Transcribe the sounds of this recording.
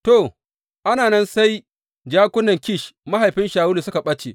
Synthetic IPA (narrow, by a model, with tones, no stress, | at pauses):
to˨ | ʔa˦naː˨nɐ˦nsa˦j | d͡ʒaː˦kʷʊ˦nɐ˨ŋkʲɪ˦˨ʃma˦ɦa˨jɸɪ˦nʃaː˨wʊ˦lu˨sʊ˦ka˨ɓɐ˦t͡ʃeː˨